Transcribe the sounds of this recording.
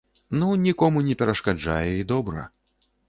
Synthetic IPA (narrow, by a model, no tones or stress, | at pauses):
nunʲikɔmunʲɛpʲɛɾɐʂkad͡ʐa̰jɛid̪ɔbɾɐ̰